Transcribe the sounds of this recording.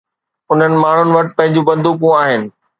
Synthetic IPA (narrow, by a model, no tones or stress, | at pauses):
ʊn̤ənɪ̆maːɳ̤ʊnɪ̆ʋɐʈpɐ̃ɦɪ̃ɲ̆d͡ʑũbɐ̃nd̪ukũaːɦɪnɪ̆